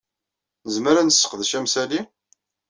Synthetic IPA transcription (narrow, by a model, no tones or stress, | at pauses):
nəzməɾænsːə̥qðʃæmsæli